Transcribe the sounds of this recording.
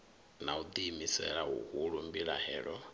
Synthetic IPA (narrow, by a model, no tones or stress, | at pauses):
naud̪imisɛɺaṵhuɺumbiɺa̰hɛːɺɔ